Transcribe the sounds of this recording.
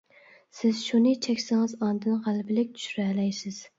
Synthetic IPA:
sɪz̥ʃunɨt͡ʃʰɛkʲsɪŋɨzɑnd̪ɨnʁælbɪlɪk̚ʲt̪ʰy̥ʃyɾɛlɛjsɪz̥

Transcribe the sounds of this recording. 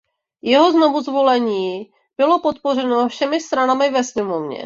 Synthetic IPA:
jɛɦo̞zno̞vuzvo̞lɛɲiː | b̥ɪlo̞pot̪̚po̞r̝ɛnofʃɛmɪst̪ɾanamɪvɛsmɪmovɲɛ̰

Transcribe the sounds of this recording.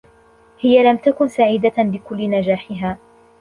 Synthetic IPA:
hɪjalamt̪akʊnsaʕiːd̪abɪkʊlːɪnad͡ʒaːħɪɦaː

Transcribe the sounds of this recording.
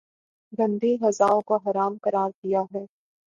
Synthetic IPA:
ɡɐ̃nd̪eɦɐzaːõkoɦɐɾaːmqɐɾaːɾd̪ijaɦɛː

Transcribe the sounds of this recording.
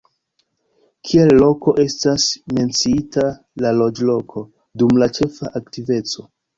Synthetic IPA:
kʰie̞lːo̞ko̞ʔe̞stasme̞nt͡siita | lalod͡ʒlo̞kʰo̞ | dumlat͡ʃe̞faʔaktive̞t͡so

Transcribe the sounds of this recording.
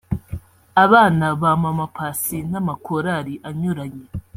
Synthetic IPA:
aβaːnaβamamapʰaːsinamakʰoɾaɾiʔaɲuɾaɲe̞

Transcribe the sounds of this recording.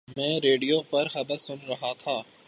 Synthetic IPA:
mɛ̃ːɾeːɖijopɐɾɦɐd̪əfsʊnɾɐɦat̪ʰaː

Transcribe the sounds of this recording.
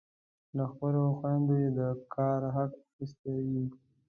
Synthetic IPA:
laxpəloxwand̪ojed̪əkʰɑɾɦakxist̪awi

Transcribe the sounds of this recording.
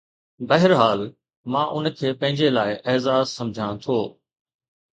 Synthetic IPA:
bɐɦɪɾɦaːl | mãːʔʊnkʰeːpɐ̃ɦɪ̃ɲd͡ʑelaːɪʔeːzaːzsɐ̃md͡ʑʱãt̪ʰoː

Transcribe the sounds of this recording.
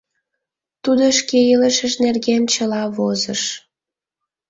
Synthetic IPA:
t̪ud̪oʃkeiləʃəʃnerɣemt͡ɕəlɑβozəʃ

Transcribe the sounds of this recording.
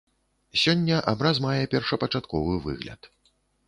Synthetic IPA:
sʲɔnʲːɐʔabɾazmajɛpʲɛrʂɐpɐt͡ʂat̪kɔvɨvɨ̰ɣlʲɐ̰t̪

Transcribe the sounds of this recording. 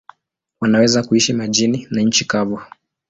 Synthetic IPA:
wanawɛzakuiʃimaʄininaɲ̩t͡ʃikavu

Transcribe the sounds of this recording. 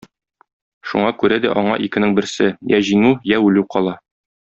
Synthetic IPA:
ʃṵɴɑkʉɾæd̪æ̰ʔɒɴɑʔikɘ̆nɘŋbɘ̆ɾsɘjæʑiŋʉjæʉlʉwqɒlˠɑ

